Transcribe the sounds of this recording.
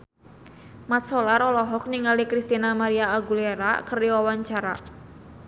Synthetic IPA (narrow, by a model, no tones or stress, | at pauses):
mat̪̚sɔlaɾɔlɔɦɔk̚niŋalikɾist̪inamaɾiaːɡuleɾa̰kəriwawaɲt͡ʃaɾa̰